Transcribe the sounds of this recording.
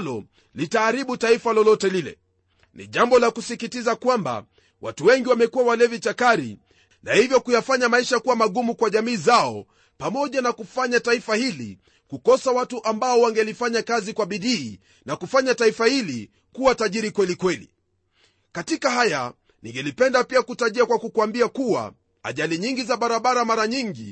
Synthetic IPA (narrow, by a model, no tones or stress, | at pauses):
lɔ | litaːɾiɓutaifalɔlɔtɛlilɛ̰ | nḭʄambɔlakusikitizakwamba̰ | wa̰tuwɛŋɡiwamɛkuwawalɛvit͡ʃakaɾḭ | na̰hivjɔkujafaɲamaiʃakuwamaɠumukwaʄamiːzaɔ | pamɔʄanakufaɲataifahilḭ | kukɔsawatuʔambaɔwaŋɡɛlifaɲakazikwaɓiɗiː | nakufaɲataifahili | kuwataʄiɾikwɛlikwɛlḭ | katikahaja | niŋɡɛlipɛndapiakutaʄiakwakukuambiakuwa̰ | a̰ʄaliɲiŋɡizaɓaɾaɓaɾamaɾaɲiŋɡi